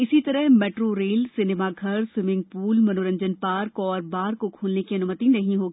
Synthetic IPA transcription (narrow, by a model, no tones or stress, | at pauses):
ɪsit̪ɐɾəɦmeːʈɾoɾeːlsɪnemaɡʱɐɾswɪmɪ̃ŋɡ̚puːlmɐnoːɾə̃ɲd͡ʒənpaːɾkɔːɾbaːɾkokʰuːlnekiɐnʊmət̪inɐɦĩɦoːɡi